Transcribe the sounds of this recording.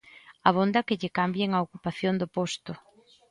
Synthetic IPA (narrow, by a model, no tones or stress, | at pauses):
ɐβ̞ond̪ɐkɪʎɪkambjeŋɐokupaθjond̪ʊpost̪ʊ